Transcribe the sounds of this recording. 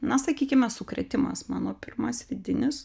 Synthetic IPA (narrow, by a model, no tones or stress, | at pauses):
nɐsɐkʲiːkʲɪmʲɛsʊkɾʲɛt̪ʲɪmɐ̰smɑ̰ːnoːpʲɪrmɐsʋʲɪd̪ʲɪnʲɪs